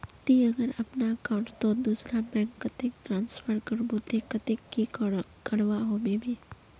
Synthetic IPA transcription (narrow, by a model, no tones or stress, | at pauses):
t̪iɐɡəɾɐpnakãːʊ̃ɳʈt̪od̪uːsɾabɛ̃ːŋkːɐt̪ek̚ʈɾãːnspʰəɾkəɾbot̪ekːət̪ekːikəɽʋaɦomebʱiː